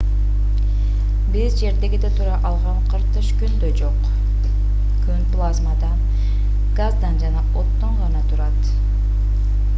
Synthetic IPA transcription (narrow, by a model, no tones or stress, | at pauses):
bizd͡ʒe̞ɾd̪e̞ɡid̪et̪ʰuɾɑʔɑlˠʁɑɴqʰɯɾt̪ɯʃkynd̪ød͡ʒo̞q | kʰynplˠazmad̪ɑ | ɡ̥azd̪ɑnd͡ʒɑnɑot̪ːoɴʁɑnɑt̪ʰuɾɑt̪